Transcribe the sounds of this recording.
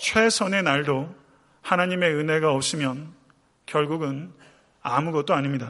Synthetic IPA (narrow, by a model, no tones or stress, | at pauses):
t͡ɕʰwe̞sʰʌne̞naɭdo | hanaɲime̞ɯnɦe̞ɡaopɕʰimjʌn | kjʌɭɡuɡɯn | amuɡʌt̚t͈oaɲimɲida